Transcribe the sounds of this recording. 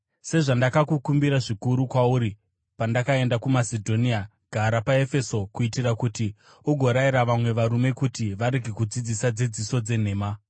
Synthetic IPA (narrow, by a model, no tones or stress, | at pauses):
se̞ʐandakakukumbiɾaʐikuɾukwauɾi | pandakae̞ndakumasedʱo̞nia | ɡ̥ʱaɾapae̞fe̞so̞kuitirakuti | uɡʱo̞ɾaiɾaʋamwe̞ʋaɾume̞kutiʋaɾeɡʱikud͡zid͡zisad͡zid͡ziso̞d͡ze̞n̤e̞ːma